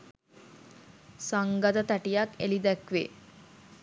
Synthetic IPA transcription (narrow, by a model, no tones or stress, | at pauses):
saŋɡad̪ət̪aʈijakelid̪ækʋe